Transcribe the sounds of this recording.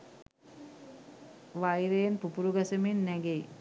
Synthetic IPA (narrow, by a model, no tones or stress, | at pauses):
ʋajɾejenpupuɾuɡasɐminːæɡeji